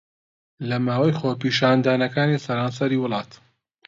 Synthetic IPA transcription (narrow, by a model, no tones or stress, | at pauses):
lɐmaːwɐjxoːpiːʃaːnd̪aːnɐkaːnisɐɾaːnsɐɾiːwʊlˠɑːt̪